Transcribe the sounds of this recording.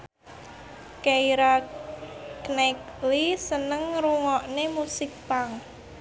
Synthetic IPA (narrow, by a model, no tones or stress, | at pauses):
keiɾa | knɛklisənəŋɾuŋɔʔnemusɪk̚paŋ